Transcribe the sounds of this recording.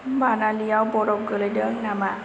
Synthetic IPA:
manalijawbɔɾɔp̚ɡələdənama

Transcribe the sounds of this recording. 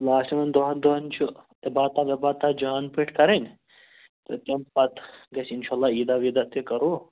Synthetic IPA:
laːsɐmɐnd̪oɦɐd̪oɐnʲt͡ʃʰut̪ɐbaːt̪aːʋɐbaːt̪aːd͡ʒaːnpiʈʰkɐɾɐnʲ | t̪ɐt̪ʲɐmpɐt̪ɡɐsinʃaːlːaːiːd̪aːʋiːd̪at̪ekɐɾoː

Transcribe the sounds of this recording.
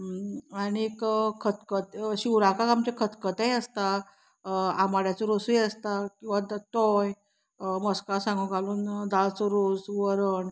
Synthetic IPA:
aɽiekkʰət̪kət̪ɕiwɾakakamt͡ɕekʰət̪kət̪ejəst̪a | amaɽjat͡sɔɾosujəst̪akĩw̃ʋad̪t̪ɔj | məskasãŋɡũɡʱaluːnd̪alt͡sɔɾosʋəɾəɳ

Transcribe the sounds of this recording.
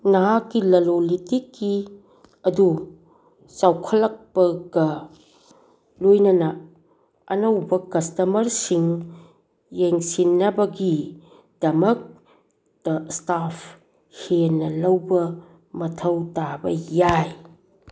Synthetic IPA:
naɦakːilɐlolitikːi | ɐdu | sawkʰɐlɐk̚pɐɡɐ | lojnɐnɐ | ɐnɐwbɐkɐstɐmɐɾsiŋ | jeŋsinːɐbɐɡi | d̥ɐmɐk̚ | d̥ɐstapʰ | helnɐlɐwbɐ | mɐtʰɐwtabɐ̰jaj

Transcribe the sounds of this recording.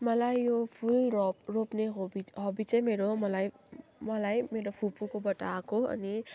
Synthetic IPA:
malajopʰulɾɔpɾɔpneɦobiɦɔbit͡ʃemeɾɔmalaj | malajmeɾɔpʰupukobatakoɐ̰ni

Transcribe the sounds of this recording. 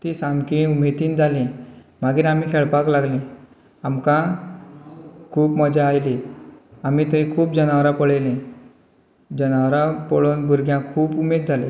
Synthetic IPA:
t̪isamkĩumet̪iːnd͡zʱalẽ | maɡiːɾam̤iːkʰeɭpaklaɡlẽ | amkã | kʰuːpməd͡ʑaːjleamiːt̪əikʰuːpd͡ʑənaʋɾapəɭelẽ | d͡ʑənaʋɾapəɭonbʱuɾɡjãkʰuːpumed̪̚d͡zʱale

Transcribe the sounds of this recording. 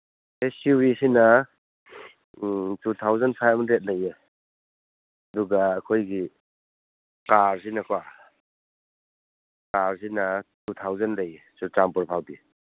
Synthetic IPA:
esiwisina | tut̪ʰawzanpʰajpmʰandɾet̚naje | ɐduɡaːkʰojɡi | kaɾs̬inakʰwa | kaɾs̬inatutʰawzanɾejesutampɔɾpʰawdi

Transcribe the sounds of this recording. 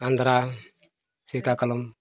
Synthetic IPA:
andaɾa | sikakalom

